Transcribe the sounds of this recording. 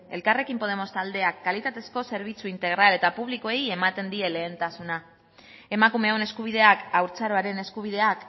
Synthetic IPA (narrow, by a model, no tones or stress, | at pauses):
e̞̰lkare̞kimpo̞ð̞e̞mo̞st̪ald̪e̞akːalit̪at̪e̞sko̞se̞ɾβ̞it͡suint̪e̞ɣ̞ɾale̞t̪apuβ̞liko̞eje̞mat̪e̞nd̪ie̞le̞ːnt̪asuna | e̞makume̞one̞skuβ̞ið̞e̞akawɾt͡saɾo̞aɾe̞ne̞skuβ̞iðe̞ak